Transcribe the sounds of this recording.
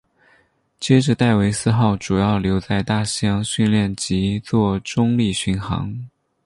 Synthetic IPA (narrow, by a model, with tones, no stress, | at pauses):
t͡ɕjɛ˥ʈ͡ʂə˧˥t̪a˥˩ɪwe˧˥ɪsɹ̩˥˧xɑ˥˩ʊʈ͡ʂu˨˩jɑ˥˩ʊljo˧˥ʊt͡sa˥˧ɪt̪a˥˩ɕjɑ˥ŋɕy˥˧nljɛ˥˩nt͡ɕi˧˥t͡swɔ˥˩ʈ͡ʂʊ˥ŋli˥˩ɕy˧˥nxɑ̰˧˥ŋ